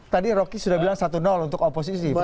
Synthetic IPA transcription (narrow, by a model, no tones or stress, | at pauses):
t̪adiɾokisudahbilaŋsat̪unɔlunt̪ʊkopos̬isi